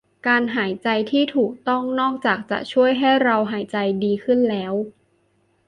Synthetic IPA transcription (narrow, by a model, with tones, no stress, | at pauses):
kaː˧nɦaː˩˦jt͡ɕa˧jt̪ʰiː˥˩t̪ʰuː˨˩k̚t̪ɔ˥˩ŋnɔː˥˩k̚t͡ɕaː˨˩k̚t͡ɕa̰˨˩ʔt͡ɕʰu˥˩əjɦa˥˩jɾa˧wɦaː˩˦jt͡ɕa˧jdiː˧kʰɯ˥˩nlɛː˦˥w